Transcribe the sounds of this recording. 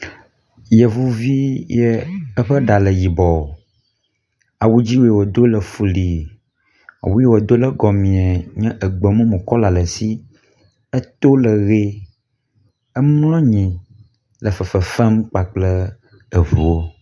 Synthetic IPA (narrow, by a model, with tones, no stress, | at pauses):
jɛ˨vu˦vi˦jɛ˦ə˦ɸə˦ɖa˨lə˨ji˨bɔ˨ | a˨wu˦d͡ʑi˦wo˦je˨wo˨d̪o˦lə˨fu˨li˨ | a̰˨wu˦jɛ˦wo˨d̪o˦lə˦ɡɔ˨mĩ˨a˨ɲɛ̃˦ʔə˨ɡ͡bə˨mũ˦mũ˨kɔ˦la˨lə˨si˦ | ə˦t̪o˦lə˨ɣe˦ | ə˦m˦lɔ̃˦ɲĩ˨ | lə˨fə˨fə˨fɛ˦mk͡pa˨k͡plə˦ | ə˨vu˨wo˦